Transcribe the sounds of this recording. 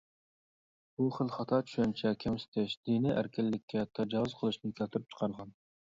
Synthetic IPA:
buχəlˠχɑt̪ʰɑt͡ʃʰy̥ʃɛnt͡ʃʰɛkʲʰɛmsɪ̥t̪ʰɛʃd̪̥iniʔæ̰ɾkʲɪlːɪkʲʰːɛt̪ʰɑd͡ʒɑwɨzqʰəlˠɨʃnɨkʲʰælt̪ʰyɾyp̚t͡ʃʰə̥qʰɑɾʁɑn

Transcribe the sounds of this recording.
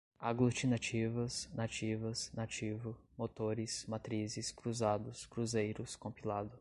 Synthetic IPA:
aɡlut͡ʃinat͡ʃivɐsnat͡ʃivɐsnat͡ʃivʊmot̪oɾɪsmat̪ɾizɪskɾuzad̪ʊskɾuzejɾʊskõmpilad̪ʊ

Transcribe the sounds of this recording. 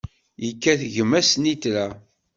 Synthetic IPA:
jəkːæθʝəmæsnit̪læ

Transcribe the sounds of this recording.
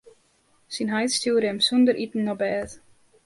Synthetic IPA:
sinɦajtstuːɾɛmsund̪əɾʔitn̩ːɔbɛːt

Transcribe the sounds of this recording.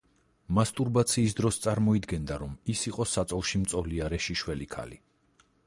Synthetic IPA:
mast̪ʼuɾbat̪sʰiːs̬d̪ɾɔst̪sʼaɾmɔid̪ɡɛnd̪aɾɔmisiqʼɔsat̪sʼɔlˠʃimt̪sʼɔliaɾɛʃiʃwɛlikʰa̰lḭ

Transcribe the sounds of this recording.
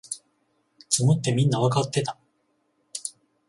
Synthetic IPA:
t͡sɨmɯt̪ːe̞mʲĩnːaβakat̪ːe̞t̪a

